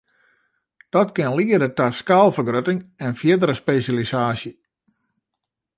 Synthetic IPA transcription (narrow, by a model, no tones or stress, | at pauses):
d̥ɔtkɪnliːədətaskalˠfərɡrøtɪŋɛnfjɪdəɾəspesjalisaːsjə